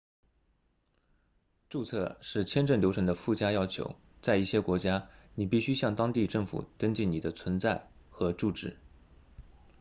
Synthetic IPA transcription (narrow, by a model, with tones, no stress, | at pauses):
ʈ͡ʂu˥˧t͡sʰɤ˥˧ʂɻ̩˥˩t͡ɕʰjɛ˥nʈ͡ʂə˥˩nljo˧˥ʊʈ͡ʂʰə˧˥ŋd̪ə˧fu˥˩t͡ɕja˥jɑ˥ʊt͡ɕʰjo̰˧˥ʊ | t͡sa˥˧ɪi˥˩ɕjɛ˥kwɔ˧˥t͡ɕja˥ni˨˩pi˥˩ɕy˥ɕjɑ˥˩ŋt̪ɑ˥ŋt̪i˥˧ʈ͡ʂɤ˥˩ŋfṵ˨˩t̪ə˥ŋt͡ɕi˥˩nni˨˩d̪ə˦t͡sʰwə˧˥nt͡sa˥˩ɪxɤ˧˥ʈ͡ʂu˥˧ʈ͡ʂɻ̩˥˩